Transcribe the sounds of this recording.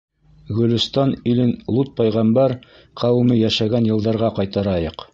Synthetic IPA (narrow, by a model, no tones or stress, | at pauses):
ɡɵ̆lɵ̆st̪ɑnilɘnlˠut̪̚pɑjʁɑmbæɾ | qʰɑwɘ̆mɘjæʃæɡænjɤ̆lˠd̪ɑɾʁɑqɑjt̪ɑɾɑjɤq